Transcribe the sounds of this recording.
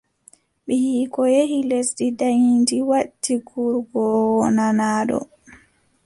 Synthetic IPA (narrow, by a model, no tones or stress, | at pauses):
ɓɛhiːkɔjehilesɗidajindiwaɗtːiɡuɾɡɔwɔnanaːɗɔ̰